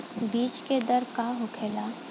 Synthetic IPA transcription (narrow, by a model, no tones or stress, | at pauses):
biːt͡ʃked̪ɐɾkaɦʊkʰeːla